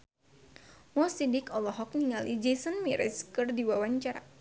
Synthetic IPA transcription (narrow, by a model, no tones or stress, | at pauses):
mɔsidikɔlɔɦɔk̚niŋalid͡ʒesənmiɾʔɛ̰skɨrdiwawaɲt͡ʃaɾa̰